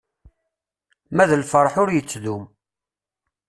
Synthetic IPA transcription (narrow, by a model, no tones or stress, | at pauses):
mæðəlfəɾˤħʊɾjət͡sːðum